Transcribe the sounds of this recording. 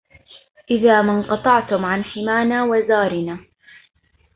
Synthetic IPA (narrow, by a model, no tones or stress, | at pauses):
ʔɪðaːmanqɑt̪ˤɑʕt̪ʊmʕanħɪmaːnaːwazaːɾɪnaː